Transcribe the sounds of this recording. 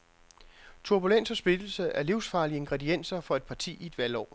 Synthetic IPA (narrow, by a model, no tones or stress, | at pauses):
t͡sʰuɐb̥ulen̰sɒsb̥id̥l̩səʔæɐliʊsfɑ̈ːliəe̝ŋɡ̥ʁɛdien̰sɐfɒ̽e̝d̥̚pʰɑ̈t͡sʰḭːie̝d̥ʋælɒ̰ː